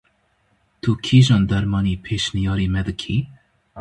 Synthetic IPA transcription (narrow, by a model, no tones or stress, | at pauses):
t̪ʰukʰiːʒand̪aɾmɑnipʰeʃnijɑːɾimɛd̪ɨkʰi